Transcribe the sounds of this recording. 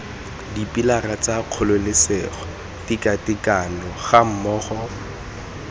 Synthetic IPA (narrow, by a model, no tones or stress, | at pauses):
dipilarat͡saq͡χʰʊlʊlɪsɛχɔ | tikatɪkʼanɔχam̩mɔːχɔ